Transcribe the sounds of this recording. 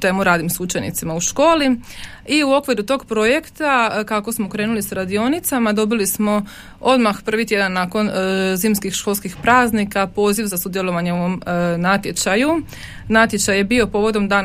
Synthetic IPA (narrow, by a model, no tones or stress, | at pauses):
t̪e̞muɾaːd̪imsut͡ʃe̞nḭt̪simauʃko̞ːli | iuo̞kʋiɾut̪o̞ːɡpɾo̞je̞kt̪akako̞smokɾe̞ːnulisaɾad̪io̞nit̪samad̪o̞bilismo̞ | o̞d̪maxpr̩ʋit̪jed̪anːako̞nziːmskixʃko̞lˠskixpɾaːznikapo̞ːziʋzasud̪jelˠo̞ʋaɲe̞oʋo̞mnat̪je̞t͡ʃaju | nat̪jet͡ɕaje̞bio̞po̞ːʋo̞d̪o̞md̪aːn